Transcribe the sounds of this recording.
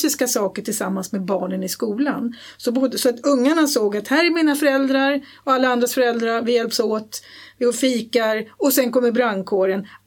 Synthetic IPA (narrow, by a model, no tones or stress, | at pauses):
ɪskasɑːkəʈʰɪlsamːansmeːbɑːɳənɪskuːla̰n | sɔbʊd̪sɔat̪ɵŋːaɳasoːɡat̪hæːɾɛɾmiːnafœɾɛld̪ɾaɾ | ɔalːaand̪ɾasfœɾɛld̪ɾaɾvɪjɛlpsoːt̪vɪɔfiːkaɾɔsɛnkɔmːəɾbɾaŋkʰoːɾən